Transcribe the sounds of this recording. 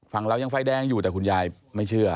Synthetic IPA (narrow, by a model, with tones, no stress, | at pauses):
fa˧˦ŋɾa˧˩wja˧ŋfa˧˩jdɛː˧˩ŋjuː˨˩t̪ɛː˨˩ku˧njaː˧j | ma˥˩jt͡ɕʰɯ˥˩ɐ